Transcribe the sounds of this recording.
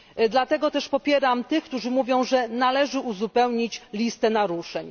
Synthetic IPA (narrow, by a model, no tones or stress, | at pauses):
d̪lat̪ɛɡɔt̪ɛʂpɔpʲjɛɾamt̪ɘxkt̪uʐɘmuvʲjɔ̃w̃ʐɛnalɛʐɘuzupɛwɲit͡ɕlʲist̪ɛnaɾuʂɛɲ